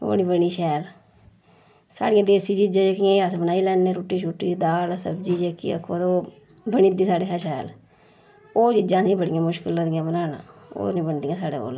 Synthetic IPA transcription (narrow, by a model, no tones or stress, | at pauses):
bə̰ɽiːbəɽiːʃɛːɾ | sa̰ːɽɪjãːd̪eːsiːt͡ʃid͡ʒãːd͡ʒeːkɪjãːəsbənaːiːlɛːneːɾoːʈːiːʃuːʈːiːd̪aːlsəbd͡ʒiːd͡ʒeːkḭːə̰kʰːoːt̪oː | bənĩːd̪ĩːsaːɽeːɦaʃɛːl | oːt͡ʃid͡ʒãːsĩːbəɽɪjãːmʊʃkɪlod̪ɪjãːbənaːnã̰ːo̰ːnĩːbəɳd̪ijãːsaːɽḛːo̰ːl